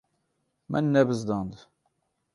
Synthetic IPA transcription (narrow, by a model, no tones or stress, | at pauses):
mæ̰nːævəzd̪ənd̪